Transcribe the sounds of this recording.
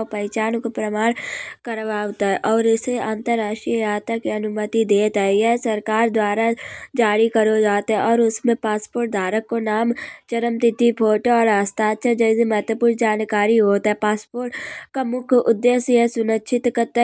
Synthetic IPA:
opəɪt͡ʃaːnkopɾəmaːɽkəɾʋaːʋt̪aɦɛʔɔːɾɪseʔãːnt̪əɾːaːʃʈɾiaːt̪akiɐnʊmət̪id̪eːt̪ɦɛjɛsɐɾkaːɾd̪waːɾad͡ʒaːɾikəɾod͡ʒaːt̪ɦɛ̃ɔːɾʊsmẽpaːspoːɾʈ̚d̪ʱaːɾəkːonaːmt͡ʃəɾəmt̪ɪt̪ipʰoːʈoɔːɾaːst̪aːt̪t͡ʃʰad͡ʒɛːsemɛːt̪wəpuːɾd͡ʒaːnkaːɾiɦoːt̪ɦɛpaːspoːɾʈkamʊkʰʊd̪ːeːsjesʊnətːʃʰɪt̪kət̪

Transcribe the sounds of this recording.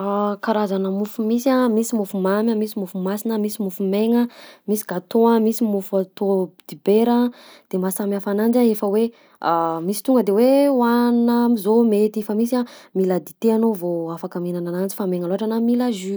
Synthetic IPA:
akaɾazanəmufumisiamisimufumamʲəmisimufumasinəmisimufumeŋəmisi̥ɡat̪oamisimuft̪od̪̥ibeɾəd̪̥emasamafanand͡ʒaefəwe | amisi̥t̪uŋɡəd̪ewewannəmizomet̪efəmisamilad̪it̪eanovoafakəminananand͡ʒi̥fameŋaloɦaʈ͡ʂanamilaʒy

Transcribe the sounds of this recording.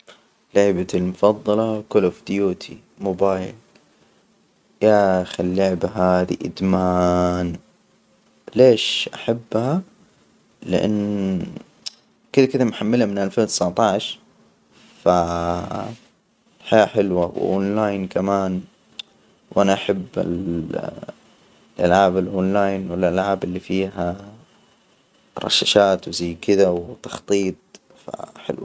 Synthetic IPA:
lʊʕbalmʊfɑðˤːɑlɑkʊlofd̪ɪjuːt̪ʰi | mobaːjl | jaxilːʊʕbaɦaːðḭʔɪ̰d̪maːn | leːʃʔaħabːha | lɪ̰ʔa̰nː | kɪlkɪðamħamːɪlamɪnalfeːlt̪ɪsaʕt̪ˤɑʕʃ | fa | ħaaħɪlwawɪ̰ʔo̰ːnlaːjnkamaːn | wʔanaʔaħabːɪ̰l | lʔalʕaːbɪlʔoːnlaːjnwɪlʔalʕaːbɪlːifiːɦa | ɾˤɑ̰ʃːaʃaːt̪wzajːkɪd̪awt̪ɑ̥xt̪ˤiːt̪̚ˤ | fa̰ħɪ̰lwa

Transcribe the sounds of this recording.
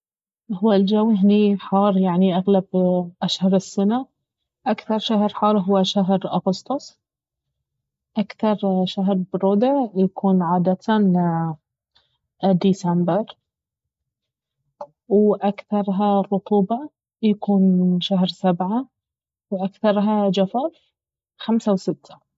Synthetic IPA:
hʊwːald͡ʒawːɪɦniħɑːɾˤjaʕniʔaɣlabʔaʃhɑɾˤɪsːana | ʔakθɑɾˤʃaɦɾħɑːɾˤɦʊwːaʃaɦɾʔʊɣʊst̪ˤʊsˤ | ʔakθɑɾˤʃaɦɾbɾʊd̪ʕjakʰuːnʕaːd̪at̪ | d̪iːsambɪɾ | wʔakθɑɾˤɦarˤːʊt̪ˤuːbɑ | jakuːnʃaɦɾsabʕa | wʔakθɑɾˤɦad͡ʒafɑf | xamsawsɪt̪ːḁ

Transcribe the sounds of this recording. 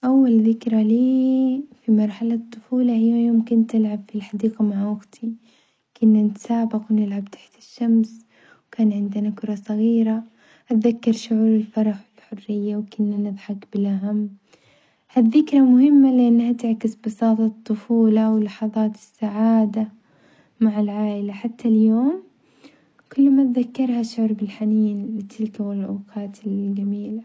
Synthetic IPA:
ʔawːalðɪkɾaliːfimɑɾˤħalat̪ˤːʊfuːlaʔɪjːajoːmkʊnt̪ːɪlʕabfilħad̪iːqamaʕwaɡt̪ʰi | kʊnːanɪt̪ḁsaːbɪqʔɪnɪlʕab̚t̪ʰḁħt̪ɪ̥ʃːams | wkaːnʕɪnd̪ɪnakʊɾˤɑsˤɑɣiːɾa | ʔat̪ðakːɑɾˤʃʊʕuːɾɪlfɑɾˤɑħɪlħʊrːɪjːawkʊnːanɪðħɑkbɪlʔaɦamː | hadðɪkɾˤɑmʊhɪmːalɪʔanːhat̪ɪʕkɪsbɑsɑːt̪ˤɑt̪ˤːʊfuːlɑwɪlːɑħɑðˤɑːt̪ɪ̥sːaʕaːd̪a | maʕɪlʕaːʔɪlaħat̪ʰːaljoːm | kʊlːmat̪ðakːɑɾˤhaʃʕːɾˤbɪlħaniːnlɪt̪ʰɪlkawɪlʔaːqɑːt̪ʰɪld͡ʒamiːla

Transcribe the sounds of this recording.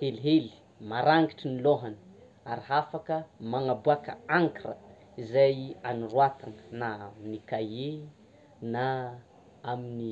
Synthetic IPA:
heliɦeli̥ | maɾaŋɡiʈ͡ʂiniloɦanə̥ | aɾiɦafakəmaŋabuakə̰aŋkiɾə̰ | izajanirwat̪aŋə̥nanikaje | na | amini

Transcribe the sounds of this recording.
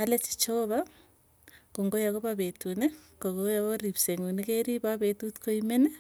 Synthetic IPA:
alet͡ʃi̥t͡ʃoβa | koŋɡojaɣoβaβetunekoɣojaβoɾiβseŋunekeɾiβaβetutkoimene

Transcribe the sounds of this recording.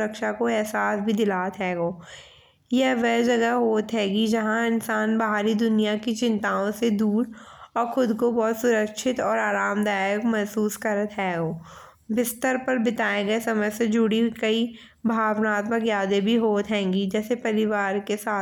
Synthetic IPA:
ɾəkʃakoɛɦsaːsbʱid̪ɪlaːt̪ɦɛːɡoː | jɛɦʋɛːd͡ʒɐɡəɦɦoːt̪ɦɛ̃ːɡid͡ʒɐɦãɪnsaːnbɐɦaːɾid̪ʊnijakit͡ʃɪ̃nt̪aːõsed̪uːɾɔːɾxʊd̪kobɔːt̪sʊɾəkʃɪt̪ɔːɾaːɾaːmd̪aːjəkmɛɦsuːskɐɾət̪ɦɛːɡoː | bɪst̪əɾpɐɾbɪt̪aːeɡɐesɐməjsed͡ʒʊɽikɐi | bʱaːʋnaːt̪məkjaːd̪ẽbʱiɦoːt̪ɦɛ̃ːŋɡid͡ʒɛːsepɐɾɪʋaːɾkesaː

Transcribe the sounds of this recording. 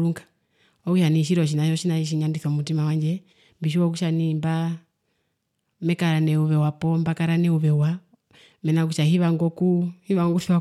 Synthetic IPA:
ɾuŋɡa | ɔkuʃaniʃ̬iɾɔʃ̬inaʃɔʃinaiʃ̬iɲandiθɔmutimawaɲd͡ʒɛ | mbiʃ̬iwɔk̬uʃanimba | mɛkaɾanɛuβɛwapɔmbakaɾanɛuβɛwa | mɛnak̬uʃaɦiβaŋɡɔkuhiβaŋɡufiwa

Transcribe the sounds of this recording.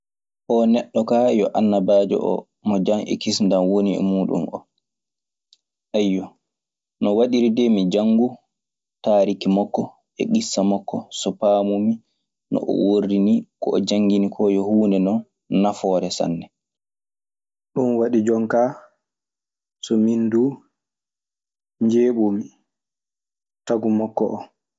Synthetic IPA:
ʔɔnɛɗːɔkaːjɔʔanːabaːd͡ʒɔ̰ʔɔ̰ | mɔd͡ʒaŋʔɛ̰kisndanwoniɛ̰muːɗṵmʔɔ̰ | ʔajːɔ | nɔwaɗiɾidɛmid͡ʒaŋɡu | taːɾikimɔkːɔ | ɛ̰ɡisːamɔkːɔsɔpaːmumi | nɔ̰ʔɔ̰worinikɔɔd͡ʒaŋɡinikʰɔjɔhuːndɛnɔn | nafɔɾɛsa̰nːɛ | ɗunwaɗid͡ʒɔŋka | sɔmindu | ɲd͡ʒeːɓumi | taɡumɔkːɔʔɔ

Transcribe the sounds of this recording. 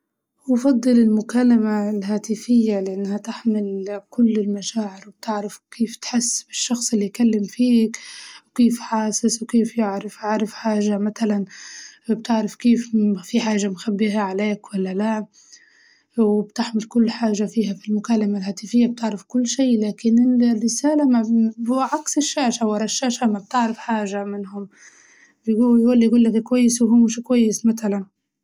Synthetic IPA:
wfɑd̪ˤːɨlɪlmʊkaːlamalɦaːt̪ɪfɪjːalɪʔanːhat̪ɪħmɪlkʊlːɪlmaʃaːʕɪɾwɪb̚t̪ɪʕɾafkʰeːft̪ħɪsːbɪʃːɑxsˤɪlːikalːɪmfiːkwkeːfħaːsɪswkeːfjɪʕɾɪfʕaɾˤɪfħaːʒamat̪alanbt̪ɪʕɾafkeːffiħaːʒamxabːiɦaʕaleːkwalːala | wɪbt̪ɪħmɪlkʊlːħaːʒafiːɦafilmʊkaːlamalhaːt̪ɪfɪjːab̚t̪ɪʕɾɪfkʊlːʃiːlaːkɪnɪlrːɪsaːlamaʕaksɪʃːaːʃawɑɾˤɑʃːaːʃamab̚t̪ɪʕɾɪfħaːʒamɪnhʊm | bjɡuɡuːlːijɡuːlːakkwajːɪswɦʊmʃkwajːɪsmat̪alan

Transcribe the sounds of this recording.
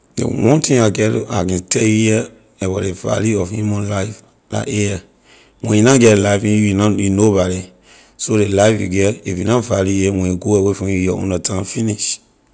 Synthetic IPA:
dḛwɔ̃ntĩŋaɡɛɾa̰kɛ̃tʰɛiɛ | ɛbadeva̰ljuɔfhjumɔ̃nlaɪf | la̰ʔɛ | wɛ̃junaɡɛtlaɪfĩnajunobaɾi | soɾelaɪfjṵɡɛtifjunavaluɛwɛ̃juɡoɛwefɔ̃jujɔɔ̰̃ndatʰãmfiniʃ

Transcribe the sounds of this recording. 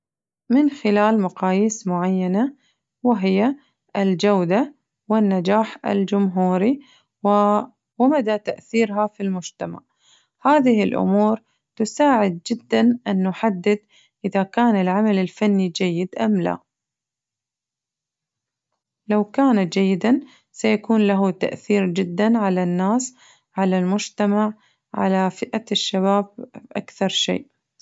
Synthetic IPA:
mɪnxɪlaːlmaqɑːjiːsmʊʕajːana | wɪɦɪjːa | ʔɪld͡ʒawd̪a | wɪnːad͡ʒaːħɪ̰ld͡ʒʊmɦuːɾi | wɪmad̪at̪aʔθiːɾɦafilmʊd͡ʒt̪ama̰ʕ | haːðɪhɪlʔʊ̰muːɾ | t̪ʊsaːʕɪd̪̚d͡ʒɪd̪ːanʔɪnːʊħad̪ːɪd̪ | ʔɪðakaːnɪlʕamalɪlfanːid͡ʒajːɪd̪ʔamla̰ | lawkaːnat̪d͡ʒajːɪd̪an | sajakuːnlaɦut̪a̰ʔθiːɾd͡ʒɪd̪ːanʕalanːaːs | ʕalalmʊd͡ʒt̪amaʕ | ʕa̰lafɪʔaʃːaβaːb̚ʔakθɑɾˤʃḛːʔ

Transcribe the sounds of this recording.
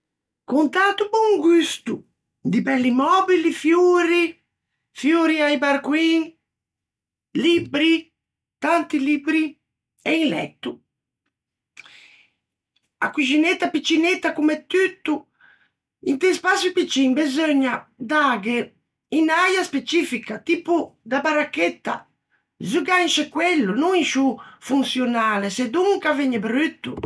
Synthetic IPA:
kunt̪at̪ubuŋɡyst̪u | d̪ipɛlːimɔbilifjuɾi | fjuɾiaibaɾkwiŋ | libɾi | t̪ant̪ilibɾi | ɛinlɛ̰t̪ːu | a̰kuʒinet̪ːapit͡ʃːinet̪ːakumɛt̪ːyt̪ːu | int̪ɛspasjupit͡ʃːiŋbɛzøɲːad̪aɡɛ | inajaspet͡ʃifikat̪iːpud̪abaɾakɛt̪ːa̰ | zuɡanʃɛkwɛlːunuŋiʃufunsjɔnaːlɛsɛd̪uŋkavɛɲɛbɾyt̪ːu

